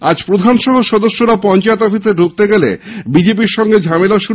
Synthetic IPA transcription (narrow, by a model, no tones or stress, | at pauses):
ad͡ʑpɾod̪ʱanʃɔɦoʃɔd̪oʃːoɾapɔnt͡ɕaet̪ɔfiseɖʱuk̚t̪eɡelḛbid͡ʑep̬iɾʃɔŋɡed͡ʑʱamelaʃu